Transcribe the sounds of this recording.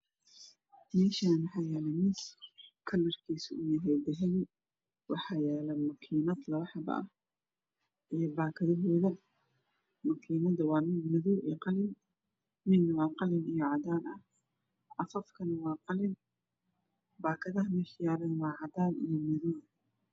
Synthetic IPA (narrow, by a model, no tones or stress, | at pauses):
mɛːʃanwɑħɑːjɛːlɛmɪkʰɐlɐrkʰiːsʊ̰ʊjɐɦɛjd̪ɛɦɛl | wɑħɑːjɛːlɐmɐkʰiːnɐd̪lɐβɐħɑbɐ̰ʔɐ̰h | ʔɛjbaːkʰɐðɐɦɔːðɐ | mɐkʰiːnɐðɐwɑːmɪd̪mɐðuːʔɛ̰ːqɑlɪn | mɪd̪nɐwɑːqɑlɪnijɔʕɑd̪aːnɐh | ʔɑfɐfkʰɐnɐwɑːqɑlɪn | baːkʰɐðɐɦɐmɛħjaːlɐnwɑːʕɑd̪aːnḭjɔmɐðuː